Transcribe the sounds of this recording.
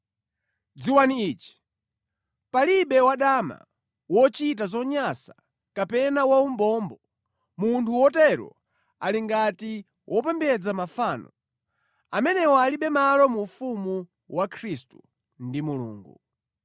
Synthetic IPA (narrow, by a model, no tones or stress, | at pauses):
d͡ziwaniiːt͡ʃi̥ | paliɓɛwaɗama̰ | wɔt͡ʃit̬azɔɲasa | kapɛnawaumbɔːmbɔ | muntʰuwɔtɛɾɔ̰ | aliŋɡati | wʔɔp̬ɛmbɛd͡zamafaːnɔ | amɛnɛwɔaliɓɛmalɔmufumu | wakʰɾistu̥ | ndimulṵːŋɡu